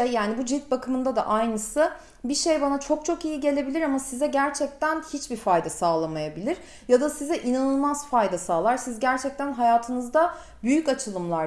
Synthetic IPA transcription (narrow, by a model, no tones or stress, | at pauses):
ɛjaːnibud͡ʒit̪̚bakʰɯmɯnd̪ad̪a̰ʔajnɯsɯ | biʃe̞jbanat͡ʃʰo̞k̚t͡ʃʰo̞kijiɟe̞lʲe̞bilʲiɾamasizɛɟæɾt͡ʃʰɛc̚t̪ʰænhit͡ʃbifajd̪asaːlˠamajabilʲiɾ̥ | jad̪asizɛʔinanɯlˠmazfajd̪asaːlˠaɾsizɟæɾt͡ʃʰɛc̚t̪ʰænɦajaːt̪ʰɯnɯzd̪a | byjycat͡ʃʰɯlˠɯmlˠaɾ